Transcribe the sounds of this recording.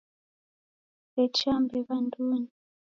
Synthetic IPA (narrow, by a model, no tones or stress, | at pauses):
ɛt͡ʃambɛβanduːni